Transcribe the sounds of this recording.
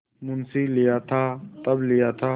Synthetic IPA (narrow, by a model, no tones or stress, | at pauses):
mʊnsilɪjat̪ʰaːt̪ɐblɪjat̪ʰaː